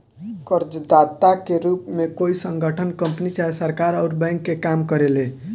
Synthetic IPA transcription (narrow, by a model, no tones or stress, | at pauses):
kəɾd͡ʒd̪at̪akeɾupmekoisəŋɡʱəʈʰənkəmpnit͡ʃaɦesəɾkaɾəʊɾbɛ̃ŋkːekamkəɾele